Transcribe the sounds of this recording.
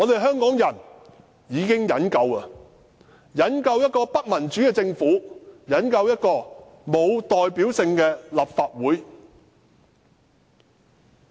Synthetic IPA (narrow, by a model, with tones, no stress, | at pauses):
ŋɔː˨˧t̪e˨jɦœː˥ŋkɔː˨˥ŋjɐ˨˩n | jiː˨˧kɪ˥ŋjɐ˨˥nkɐ˧wɐ˨˧ | jɐ˨˥nkɐ˧wjɐ˥t̚kɔː˧pɐ˥t̚mɐ˨˩nt͡ʃyː˨˥kɛː˧t͡sɪ˧ŋfuː˨˥jɐ˨˥nkɐ˧wjɐ˥t̚kɔː˧ | mo˨˧wt̪ɔː˨jpiː˨˥wsɪ˧ŋkɛː˧lɐ˨pfaː˧t̚wuː˨˥j